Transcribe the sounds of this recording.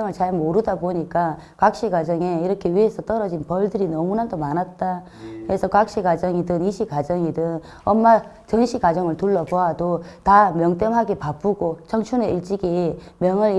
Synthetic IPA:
ŋɯɭt͡ɕaɭmoɾudaboɲik͈a | kak̚ɕ͈iɡwad͡ʑʌŋe̞iɾʌkʰe̞ɥiɦe̞sʰʌt͈ʌɾʌd͡ʑinpʌɭdɯɾinʌmunandomanat̚t͈a | kesʰʌkak̚ɕ͈ikad͡ʑʌŋidɯniɕʰikad͡ʑʌŋidɯn | ʌmːa | t͡ɕʌnɕʰikad͡ʑʌŋɯɭtuɭːʌpoɦadotamjʌŋt͈emɦaɡepap͈uɡot͡ɕʌŋt͡ɕʰuneiɭt͡ɕ͈iɡe | mjʌŋɯɾ

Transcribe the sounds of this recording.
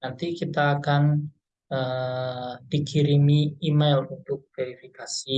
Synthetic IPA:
nant̪ikit̪aːkan | ə | d̥ikiɾimiːmalunt̪ʊk̚feɾifikasi

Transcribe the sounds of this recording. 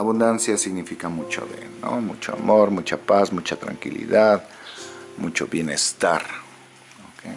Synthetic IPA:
aβund̪ansjasiɣnifikamut͡ʃo̰ðḛno̰mut͡ʃoa̰moɾmut͡ʃapasmut͡ʃat̪ɾa̰ŋkilḭðað | mut͡ʃo̰βjenest̪aɾ | okej

